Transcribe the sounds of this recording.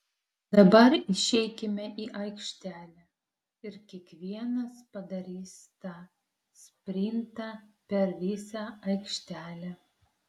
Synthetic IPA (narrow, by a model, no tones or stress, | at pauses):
d̪ɐbɐɾɪʃʲɛɪkʲɪmʲɛʔiːʔɐɪkʃʲt̪ʲæːlʲæ | ɪɾkʲiɛkʋʲiɛnɐspɐd̪ɐɾʲiːst̪ɑ | sʲpʲɾʲɪnʲt̪ɑpʲɛɾʋʲɪsʲɑɐɪkʃʲt̪ʲæːlʲæ